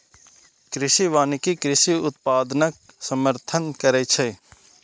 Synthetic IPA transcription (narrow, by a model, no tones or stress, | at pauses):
kɾɪʃiʋaːnkikɾɪsiʊt̪̚paːd̪nək̚ | səməɾt̪ʰənkəɾet͡ʃʰe